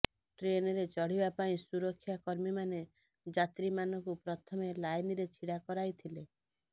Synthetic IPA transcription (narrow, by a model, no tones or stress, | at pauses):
ʈɾenɔɾet͡ʃɔɽ̤ibapaĩsuɾɔkʰːjakɔɾmimane | d͡ʒat̪ɾimanɔŋkupɾɔt̪ʰɔmelajniɾet͡ʃʰiɽakɔɾajt̪ʰile